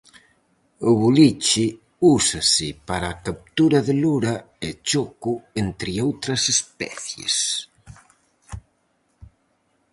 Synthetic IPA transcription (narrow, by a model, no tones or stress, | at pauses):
ʊβulit͡ʃɪ | usasɪpaɾaːkap̚t̪uɾɐðɪluɾa | et͡ʃokuent̪ɾɪowt̪ɾɐsespɛ̰θjḛs